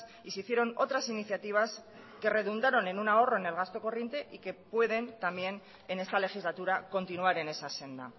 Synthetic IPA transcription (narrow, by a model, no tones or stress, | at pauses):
iseiθje̞ɾo̞no̞t̪ɾasiniθjat̪iβ̞as | ke̞re̞ðund̪aɾo̞ne̞nunao̞ro̞ene̞lɣ̞ast̪o̞ko̞rje̞nt̪e̞ʔike̞pwe̞ð̞e̞nt̪ambje̞n | e̞ne̞st̪ale̞xizlat̪uɾako̞nt̪inuaɾe̞ne̞sase̞nd̪a̰